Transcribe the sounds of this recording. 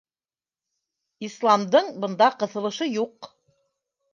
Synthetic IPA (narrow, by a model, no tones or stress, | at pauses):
islˠɑmd̪ɤɴbɤ̆nd̪ɑqɤ̆θɤ̆lˠɤ̆ʃɤjuq